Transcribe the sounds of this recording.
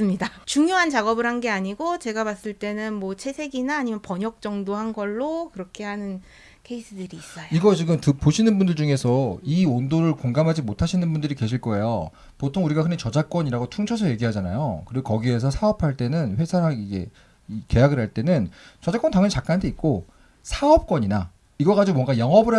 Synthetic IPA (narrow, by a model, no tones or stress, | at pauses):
ɯmɲidat͡ɕuŋjoɦant͡ɕaɡʌbɯɾɦanɡe̞aɲiɡot͡ɕe̞ɡapas͈ɯɭt͈e̞nɯnmwʌt͡ɕʰe̞sʰe̞ɡinaːɲimjʌnpʌɲjʌk̚t͡ɕ͈ʌŋdoɦanɡʌɭːokɯɾʌkʰe̞ɦanɯn | kʰe̞is͈ʰɯdɯɾiːs͈ʌjiɡʌt͡ɕiɡɯmtɯpoɕʰinɯnbundɯɭd͡ʑuŋe̞sʰʌiondoɾɯɭkoŋɡamɦad͡ʑimotʰaɕʰinɯnbundɯɾike̞ɕʰiɭk͈ʌe̞jo | potʰoŋuɾiɡakɯnet͡ɕʌd͡ʑak͈wʌɲiɾaɡotʰuŋt͡ɕʰʌsʰʌje̞ɡiɦad͡ʑana̰jo̰kɯɾiɡokʌɡie̞s̬ʰʌsʰaʌpʰaɭt͈e̞nɯnɸwe̞sʰaɾaɡid͡ʑe̞̰ | ike̞jaɡɯɭɦaɭt͈e̞nɯnt͡ɕʌd͡ʑak͈ʌntaŋɯnt͡ɕak͈antʰeit̚k͈o | sʰaʌp̚k͈ʌɲina | iɡʌɡad͡ʑiomʌŋɡajʌŋʌbɯɾa